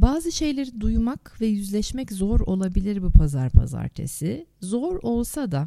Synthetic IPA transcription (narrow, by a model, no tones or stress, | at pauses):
baːzɯʃe̞jlʲeɾid̪ujmakvɛjyzlʲɛʃmɛczo̞ɾo̞lˠabilʲiɾbupʰazaɾpʰa̰za̰ɾt̪ʰḛsizo̞ɾo̞lˠsad̪a